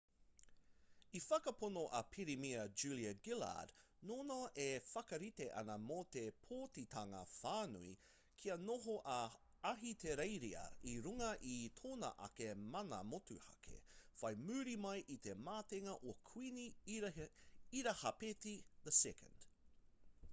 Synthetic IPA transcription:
ifɐkɐponoʔɐpʰiɾimiɐd͡ʒʉliɐɡɪla̰d | noːnaʔefɐkɐɾiteʔɐ̰nɐmot̪epʰoːtit̪ʰaŋɐ̰faːnṵi | kʰiɐnoɦoʔɐ | ɐɦit̪ʰeɾejɾiɐ̰iɾuŋɐʔit̪ʰoːnɐ̰ʔɐ̰kemɐnɐ̰motuhɐ̰kʰḛfɐjmʉːɾimɐjʔit̪emaːteŋɐʔokʰwini | iɾɐhɐpetiðəsɛkə̰̃nd̥

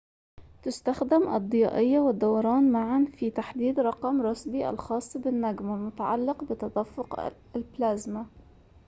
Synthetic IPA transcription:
t̪ɪst̪axd̪ɪmʔɑ̰d̪ˤːɨjɑ̰ːʔɪjːawɪd̪ːawɑɾˤɑːnmaʕanfit̪aħd̪iːd̪ɾˤɑqɑmɾˤɑsbiʔa̰lxɑːsˤːbɪnːaɡmalmʊt̪aʕa̰lːɪqbɪt̪ɑd̪afːʊq | lblaːzma

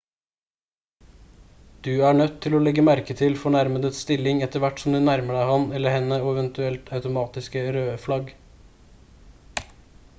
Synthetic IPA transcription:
d̪̥ʉːæːɳœt̪ʰːɪloːlɛɡəmæɾkət̪ʰɪlfɔɳæɾməd̪ət̪st̪ɪlɪŋɛt̪əɾʋæʈsɔm̩d̪ʉːnæɾməɖæɪhɑnɛləhɛnəoːɛʋɛnt̪ʉɛlt̪ʰɑʉt̪ʊmɑːt̪ɪskəɾøːflɑɡ

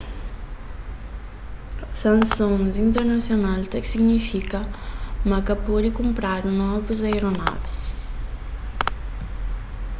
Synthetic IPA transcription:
sãnsõnzint̪eɾnasjonalt̪ɐksiɡnifikɐmakɐpɔɾikumpɾaɾnɔvuzajɾona̰vs

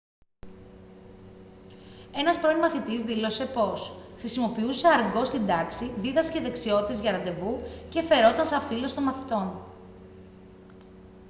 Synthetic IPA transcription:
e̞nɐspɾo̞imɐθit̪izðilo̞se̞po̞sxɾisimo̞piuse̞ɐɾɡo̞st̪ind̪ɐksiðiðɐsceðe̞ksio̞t̪i̥t̪eʝɐɾɐnd̪e̞vuce̞fe̞ɾo̞t̪ɐnsɐfilo̞st̪o̞nmɐθi̥t̪o̞n

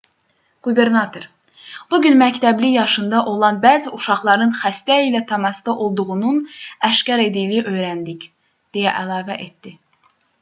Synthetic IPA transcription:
ɡ̥ube̞ɾnɑt̪ʰo̞ɾ | b̥uɟynmæct̪ʰæblijɑʃɯnd̪ɑʔo̞lˠɑnbæːziuʃɑχlˠɑɾɯnχæst̪æilæt̪ʰɑmɑst̪ɑʔo̞lˠd̪uʁununæʃcɑɾe̞d̪ijliiʔø̞jɾænd̪ic | d̪̥ejæ̰ʔælˠɑːvæʔe̞t̪d̪i

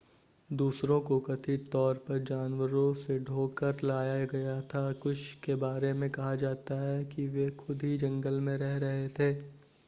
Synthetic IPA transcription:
d̪uːsɾõkokɐt̪ʰit̪ɔːɾpɐɾd͡ʒaːnʋəɾõseɖʱoːkəɾlaːjaɡɐjat̪ʰakʊʃkebaːɾemẽkɐɦad͡ʒaːt̪aɦɛkiʋexʰʊd̪ʱɦid͡ʒɐ̃ŋɡəlmẽɾɛɦɾɐɦet̪ʰeː

